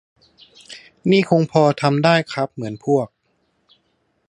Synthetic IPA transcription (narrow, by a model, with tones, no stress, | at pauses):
niː˥˩kʰo˧ŋpʰɔː˧t̪ʰa˧mdaː˥˩jkʰa˦˥p̚mɯ˩˦ənpʰu˥˩ək̚